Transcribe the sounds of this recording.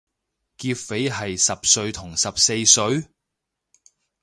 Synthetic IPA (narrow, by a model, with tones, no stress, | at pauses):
kiː˧pfe˨˥jɦɐ˨jsɐ˨p̚sɵ˧ɥt̪ʰʊ˨˩ŋsɐ˨p̚se˧jsɵ˨˧˥ɥ